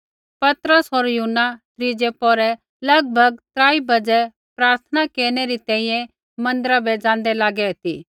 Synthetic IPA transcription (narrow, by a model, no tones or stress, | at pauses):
pɐt̪ɾəsoːɾjʊɦʊnːat̪ɾid͡ʒepɔːɾɛ | lɐɡ̚bʱɐɡ̚t̪ɾaːibɐd͡ʒɛ | pɾaːɾt̪ʰənakeːɾñeɾit̪ɛ̃ːĩjɛ̃ | mɐ̃nd̪ɾabɛd͡zãːnd̪ɛlaːɡɛt̪iː